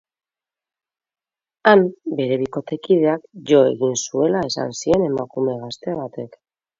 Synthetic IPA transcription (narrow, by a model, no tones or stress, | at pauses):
ambe̞ɾe̞βiko̞t̪e̞kiðe̞akʝo̞e̞̰ɣinsue̞lae̞sa̰nsie̞ne̞makume̞ɣ̞ast̪e̞β̞at̪e̞k